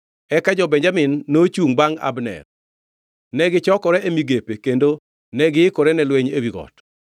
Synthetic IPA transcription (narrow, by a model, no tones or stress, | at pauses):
ɛkad͡ʒɔbɛɲd͡ʒamɪnːot͡ʃuŋbaŋa̰bnɛ̰r | nɛɡɪt͡ʃɔkɔɾɛʔemiɡepekendo | nɛɡɪɪkɔɾɛnɛlwɛɲewiɡɔ̰t